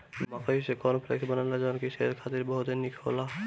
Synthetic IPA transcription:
makaisekɔnpʰɾḛksbənanad͡ʒɔnkiʃeɾkʰat̪iɾbɔɦut̪enikʰo̰la

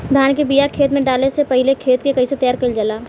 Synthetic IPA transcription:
d̪ʱaːnkebijakʰeːt̪mẽɖaːlesepɐɦɪlekʰeːt̪kekɐɦiset̪ɐjaːɾkɐld͡ʒəlaː

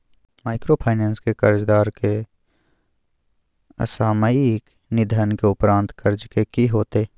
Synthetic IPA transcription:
maːɪkɾoːpʰaːɪnẽːnskekəɾd͡ʒd̪aːɾke | ə̰saːməɪk | nɪd̪ʱənkeʊpɾãːnt̪kəɾd͡ʒkekiɦoːt̪eː

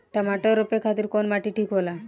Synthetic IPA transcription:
ʈamaʈɔɾopekʰat̪iɾkonmaʈiʈʰikɦola

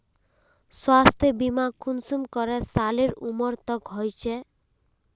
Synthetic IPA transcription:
swast̪ʰebimakʰunsumkɔɾesaleɾumɔɾt̪ɔkɦɔjt͡ʃʰe

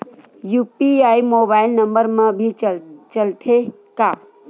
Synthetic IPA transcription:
juːpiaːimoːbaːɪlnɐmbəɾmãbʱit͡ʃəlt̪ʰe | kaː

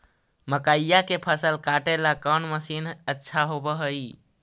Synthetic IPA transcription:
məkaijakepʰəsəlkaʈelakənməsinətːʃʰaɦobəɦəi

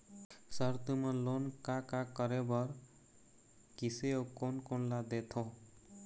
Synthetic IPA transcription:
sʌɾt̪umʌlonkakakʌɾebʌɾ | kiseokonkonlad̪et̪ʰo

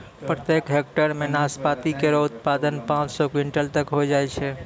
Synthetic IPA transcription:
pɾət̪jekɦekʈəɾmẽnaspat̪ikeɾɔʊt̪pad̪ənpãt͡ʃsɔkiɳʈəlt̪əkɦojd͡ʒaɛt͡ʃʰɛ

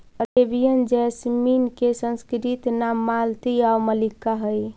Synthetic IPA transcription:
əɾebijənd͡ʒɛsminkesənskɾit̪namːalt̪iawməlikaɦəj

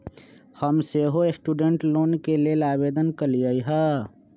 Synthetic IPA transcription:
həmseɦoesʈuːɖeɳʈloːnkelelaːbed̪ənkəliəiɦə

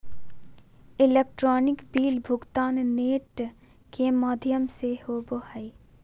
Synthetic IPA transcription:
ɪlekʈɾɔːnɪkbiːlbʱʊɡt̪aːnːeːʈ | kemaːd̪ʱjəmsehoboɦai

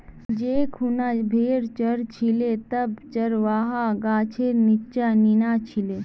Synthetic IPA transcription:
d͡ʒeːkʰunabʱeːɾt͡ʃəɾt͡ʃʰilet̪ɐbt͡ʃɐɾʋaːɦaɡaːt͡ʃʰenit͡ʃaninaːt͡ʃʰileː

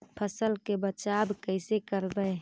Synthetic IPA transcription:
pʰəsəlkebət͡ʃabkəɪsekəɾbəɪ

